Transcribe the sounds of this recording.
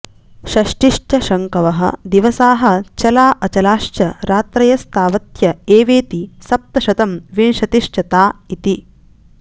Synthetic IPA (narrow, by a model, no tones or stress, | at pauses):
ʃɐʃʈiʃʈʰɐʃɐŋkɐʋɐɦɐ̰̆d̪iʋɐsaːɦɐ̆t͡ʃɐlaːʔɐt͡ʃɐlaːʃt͡ʃɐɾaːt̪ɾɐjɐst̪aːʋɐt̪jɐeːʋeːt̪isɐp̚t̪ɐʃɐt̪ɐmʋinʃɐt̪iʃʈɐt̪aːit̪i